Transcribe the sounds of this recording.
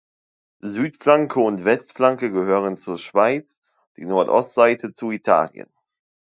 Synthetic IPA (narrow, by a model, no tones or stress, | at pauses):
zyːtflaŋkʰəʊntv̥ɛstflaŋkəɡəhøːʁənt͡suːɐʃv̥aɪt͡s | d̥ḭːnɔɐtʔɔ̰stz̥aɪtʰət͡suitʰa̰ːljə̰n